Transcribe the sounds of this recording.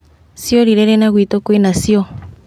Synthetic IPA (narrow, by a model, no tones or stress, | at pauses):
sjoɾiɾɛɾɛnaɣwit̪okwinasjo